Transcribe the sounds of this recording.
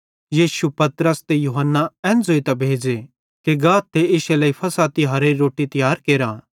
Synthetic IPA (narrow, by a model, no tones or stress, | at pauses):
jiːʃupɐt̪ɾəst̪ejuɦənːaɛ̃ːnd͡zoːit̪ɐbʱeːd͡ʒe | keɡaːt̪ʰːeɪʃelɐːipʰɐsaːt̪iɦɐɾeiɾoːʈit̪ɐjaːɾkeːɾaː